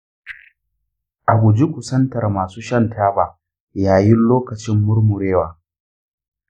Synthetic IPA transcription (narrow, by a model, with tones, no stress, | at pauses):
ʔa˨ɡʷʊ˨d͡ʒi˦kʷʊ˨sɐ˦ntɐ˨rmaː˨suː˦ʃɐ˦ntʰaː˦baː˨ | jaː˨jɪ˦nloː˦kɐ˨t͡ʃɪ˦mːʊ˦ɾmʊ˨ɾeː˦waː˨